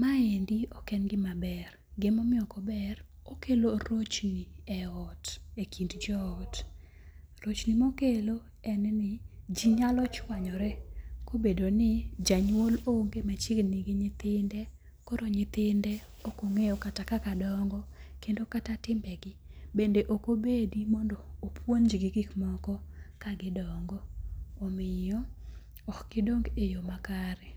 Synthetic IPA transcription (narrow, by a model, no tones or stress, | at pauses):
maendiɔkɛnɡɪmabɛr | ɡɪmɔmɪɔkɔbɛr | okeloɾot͡ʃniɛɔtekʰindd͡ʒɔɔt | ɾot͡ʃnimokelo | ɛnnɪd͡ʒiɲalɔt͡ʃwaɲɔɾɛkobedonɪd͡ʒaɲwoloŋɡemɛt͡ʃɪɡnɪɡɪɲɪt̪ɪndɛ | koɾoɲɪt̪ɪndɛ | okoŋejɔkatakakadɔŋɡɔkendokatatɪmbɛɡɪbendeʔokobedimɔndoːpwond͡ʒiɡɪɡikmɔkɔkaɡɪdɔŋɡɔːmɪjɔ | ɔkɡ̥ɪdoŋɡejomakaɾɛ